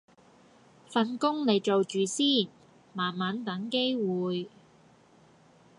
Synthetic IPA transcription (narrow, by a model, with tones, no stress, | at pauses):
fɐ˨˧nkʊ˥ŋle˨˧jt͡so˨wt͡ʃyː˨siː˥˩n | maː˨˩nmaː˨˥nt̪ɐ˨˥ŋke˥jwuː˨j